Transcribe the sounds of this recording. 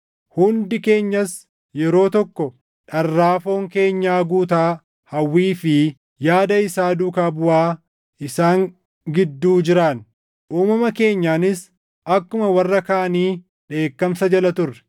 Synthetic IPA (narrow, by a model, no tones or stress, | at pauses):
hʊnd̪ɪke̞ːɲːɐs | jɛɾo̞ːt̪ɔkːɔ | ᶑɐrːaːfo̞ːŋke̞ːɲːaːɡuːt̪aː | hɐwːiːfɪ | jaːd̪ɐɪsaːd̪ukaːbʊʔaː | ʔɪsaːŋ | ɡɪd̪ːuːd͡ʒɪɾaːn | ʔuːmɐmɐke̞ːɲːaːnɪs | ɐkːʊmɐwɐrːɐkɐʔɐniː | ᶑe̞ːkːɐmsɐd͡ʒɐlɐt̪ʊrːɛ̥